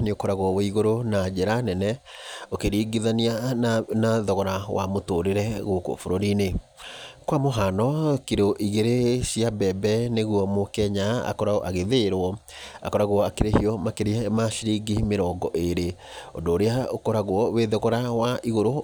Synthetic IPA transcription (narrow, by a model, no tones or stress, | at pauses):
neokɔɾaɣwɔwɔiɣoɾonad͡ʑeɾanɛnɛokeɾiɡiðanianaðɔɣɔɾawa̰motoɾeɾɛɣoko̰foɾoɾine | kwamoɦanɔkiɾoʔiɣeɾeɕiabɛbɛneɣwɔmokɛɲaa̰kɔɾaʔaɣeðeɾwɔ | a̰kɔɾaɣwakeɾehiɔmakeɾeɛmaʃiɾiɡimeɾɔːɡɔʔeɾe | odoːɾeaokɔɾaɣwɔweðɔɣɔɾawaiɣoɾo